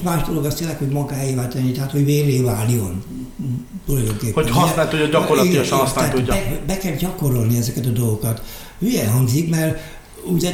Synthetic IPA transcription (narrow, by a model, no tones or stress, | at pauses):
maːʒd̪o̞lo̞ɡɒst̪eːlːɛkho̞ɟmɒɡaːjivaːlt̪ɛnːit̪ɛɦaːt̪hoɟʋeːleːvaːlːijon | t̪ulɒjd̪o̞ŋkeːphoɛhɒsnaːlt̪ooɟɒkoɾlɒiɒʃnhɒsaɛːt̪uobɛkɛlɟɒko̞ɾo̞lniɛzɛkɛt̪ɒd̪o̞lɡokɒt̪ | yjɛlɦɒŋɡzikmɛr | uɟɛ